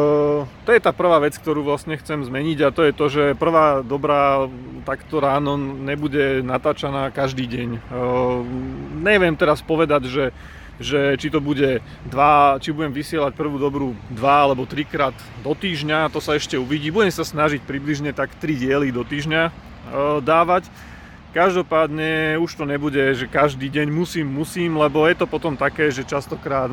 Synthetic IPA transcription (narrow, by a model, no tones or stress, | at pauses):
t̪ɔjɛt̪aːpr̩ʋaːʋɛt͡sk̚t̪ɔɾuːʋlasɲɛxt͡sɛmzmɛɲiɟat̪ɔjɛt̪ɔʒɛpr̩ʋaːd̪ɔbɾat̪akt̪ɔɾaːnɔɲɛbuɟɛnat̪aːt͡ʃanaːkaʒd̪iːɟɛɲ | ɲɛʋɪɛmt̪ɛɾaspɔʋɛd̪aɟʒɛ | ʒɛt͡ʃit̪ɔbuɟɛ | d̪ʋat͡ʃibuɟɛmʋisɪɛlac̚pr̩ʋuːd̪ɔbɾud̪ʋaalɛbɔt̪ɾikɾaːd̪ | d̪ɔt̪iːʒɲat̪ɔsaɛʃcɛuʋiɟiːbuɟɛmsasnaʒic̚pɾibliʒɲɛt̪akt̪ɾiɟɪɛlid̪ɔt̪iːʒɲa | d̪aːʋac | kaʒd̪ɔpaːd̪ɲɛuʃt̪ɔɲɛbuɟɛʒɛkaʒd̪iːɟɛɲmusiːmːusiːmlɛbɔjɛt̪ɔpɔt̪ɔmt̪akɛːʒɛt͡ʃast̪ɔkɾaːt̪